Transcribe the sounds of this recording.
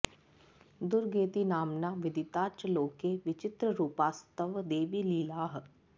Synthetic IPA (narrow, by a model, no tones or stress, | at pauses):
d̪ʊɾɡeːt̪inaːmnaːʋɪd̪ɪt̪aːt͡ʃəloːkeʋɪt͡ʃɪt̪ɾəɾuːpaːst̪əʋd̪eːʋiːliːlaːɦ